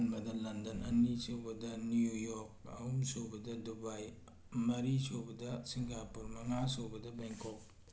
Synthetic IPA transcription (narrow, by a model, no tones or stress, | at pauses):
nmɐdɐlɐndɐnɐnisowbɐdɐniujok̚ɐ̰umsobɐdɐdubaj | mɐɾisobɐdɐsiŋɡapuɾmɐŋasobɐdɐbeŋkop̚